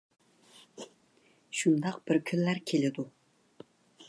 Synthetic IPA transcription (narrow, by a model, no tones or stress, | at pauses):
ʃund̪ɑqb̥ɪɾkʲʰynːæɾkʲʰelɪd̪u